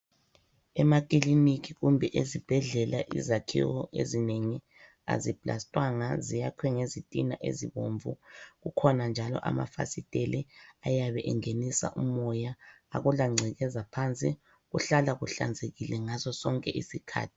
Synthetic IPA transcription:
ɛmakʼilinikiɣumbʱɛʔezib̥ʱɛɮɛla̰ʔḭzakʰḭwɔʔḛzineŋi | a̰zipʼla̰stʼwaŋazijakʰwɛŋezitʼinaʔḛziβo̰ɱvṵɣukʰɔnand͡ʒʱalɔ̰ʔa̰ma̰fa̰sitʼɛlɛajaβɛʔɛŋenisa̰ʔumɔja | a̰ɣulaŋ͡ǀʱɛɣɛzapʰant͡sʼi | ɣuɬalaɣuɬa̰nd͡zʱeɣilɛŋazɔsɔŋkʼɛʔisikʰa̰ːtʰi̥

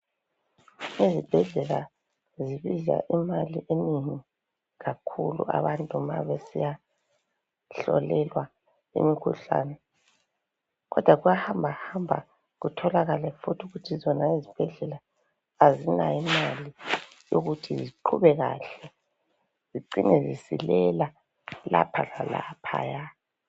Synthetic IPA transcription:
ezib̥ʱɛɮɛla | ziβiza̰ʔimaliʔeniŋi | ɣakʰulṵa̰βantʼuma̰βesija | ɬɔ̰lɛlwa | ḛmikʰuɬa̰ːnɛ | ɣɔd̥ʱwaɣujahambʱahambʱa̰ | ɣutʰɔlaɣalɛfutʰuɣutʰizɔnaezib̥ʱɛɮɛlaː | zinaimali | jo̰ɣutʰiziǃʰuβɛɣa̰ːɬɛ | ziǀiŋɛzisḭlɛla | la̰pʰalala̰pʰa̰ːja

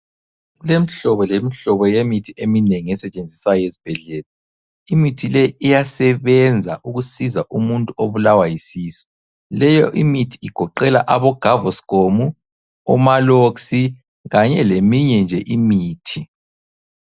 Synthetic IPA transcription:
lemiɬɔβɔlemiɬɔβɔjemitʰiemineŋiɛsɛt͡ʃʼend͡zʱisajɔjezi̥b̥ʱɛɮɛːla | imitʰilɛijasɛβɛnd͡zʱaʔuɣusizaʔumuntʼuoβulawajisiːsɔ̥ | lɛjɔ̰ʔimitʰi̥iɡ̥ʱɔǃɛlaʔaβɔɡ̥ʱavɔsi̥ɡ̥ʱomu | ɔmaloksi | ɣaɲɛlemiɲɛnd͡ʒʱɛʔimiːtʰi

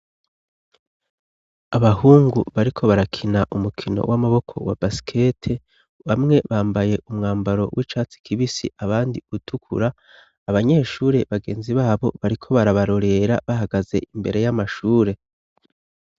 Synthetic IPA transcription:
aβaɦuːŋɡuβaɾikʰo̞βaɾakʰinaʔumukʰino̞̰wʔamaβo̞kʰo̞̰wa̰basi̥kʰe̞tʰe̞ | βamŋe̞βaːmbaje̞ʔumŋaːmbaɾo̞̰wiːt͡ʃaːt͡si̥kʰiβisḭʔaβaːndiutʰukʰṵɾaː | βaɲe̞ːʃuːɾe̞βaɡe̞ːnziβaːβo̞̰βaɾikʰo̞βaɾaβaɾo̞ɾe̞ɾa̰βaɦaɡaze̞̰ʔimbe̞ɾe̞jamaʃuːɾe̞

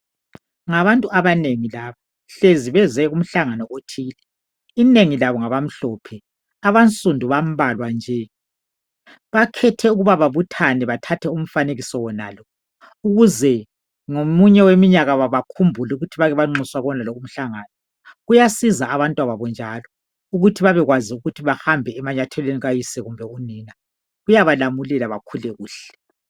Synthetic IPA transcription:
ŋaβantʼuaβaneŋilaːβa | ɬeziβɛzɛɣum̩ɬaŋanɔʔotʰiːlɛ | ineŋilaβɔŋaβam̩ɬɔpʰɛ | aβant͡sʼundʱuβam̩βalwand͡ʒʱɛ | βakʰɛtʰɛuɣuβaβaβutʰanɛβatʰatʰɛum̩faneɣisɔwɔna̰ːlɔ | uɣuzɛ | ŋomuɲɛwemiɲaɣaβaβakʰumbʱulɛuɣutʰiβaɣɛβaŋ͡ǁuswaɣɔnalɔum̩ɬaŋaːnɔ | ɣujasizaaβantʼwaβaβɔnd͡ʒʱalɔ | uɣutʰiβaβɛɣwaziuɣutʰiβahambʱɛːmaɲatʰɛleniɣajisɛɣumbʱɛuniːna | ɣujaβalamulɛlaβakʰulɛɣuːɬɛ̥

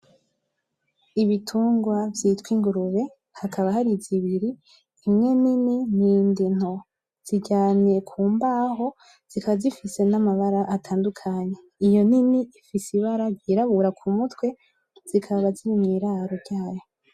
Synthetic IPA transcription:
iβitʰuːŋɡwavjiːtwiːŋɡuɾuβe̞ | hakʰaβahaɾiziβiɾi | imŋe̞nininiːndin̥ho̞ | z̥iɟaːnijekʰuːmbaɦo̞ | z̥ikʰaβazifise̞namaβaɾaʔatʰaːndukʰaɲe̞ | ijo̞niniifisiβaɾaɟiɾaβuɾakʰumutwe̞ | z̥ikʰaββaziɾimŋiːɾaːɾo̞ɾɟaːjo̞

